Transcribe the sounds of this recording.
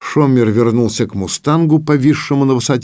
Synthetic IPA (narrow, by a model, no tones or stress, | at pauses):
ʂomʲɪrvʲɪrnulˠsʲəkmʊst̪anɡʊpɐvʲiʂːɨmʊnəvɨsɐtʲ